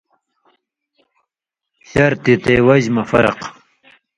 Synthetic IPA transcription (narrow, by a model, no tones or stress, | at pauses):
ɕɐɾt̪it̪ewɐʑmɐfɐ̰ɾɐ̰q